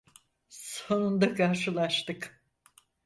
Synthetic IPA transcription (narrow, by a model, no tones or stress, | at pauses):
sonund̪akʰaɾʃɯlˠaʃt̪ɯk